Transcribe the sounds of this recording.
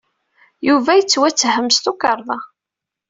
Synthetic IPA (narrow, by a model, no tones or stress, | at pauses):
juvæjət͡sːwæt͡sːhəmst̪ukəɾˤðˤɑ